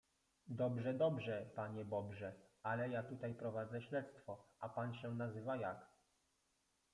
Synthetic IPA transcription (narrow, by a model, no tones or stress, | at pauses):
d̪ɔbʐɛd̪ɔbʐɛpaɲɛbɔbʐɛalɛjat̪ut̪ajpɾɔvad̪zɛɕlɛt̪st̪fɔapanɕɛnazɘvajak